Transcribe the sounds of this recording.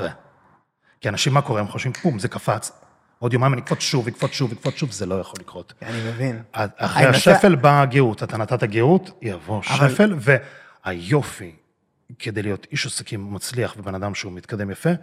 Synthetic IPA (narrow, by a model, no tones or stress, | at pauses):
e | kianaʃimːako̞ʁemχoʃimpumzekafat͡s | o̞djomajimnikfot͡sʃuvikfot͡sʃuvikfot͡sʃuvzelo̞jaχo̞likʁo̞tanimevinaaχʁejaʃefelbaɡeutat̪anat̪ataɡeutjavo̞ʃefe̞lve̞ | ajo̞fi | kʰe̞d̪ejlijo̞tiʃosekimːat͡sliaχbebe̞nad̪amʃeumit̪kad̪e̞mjafe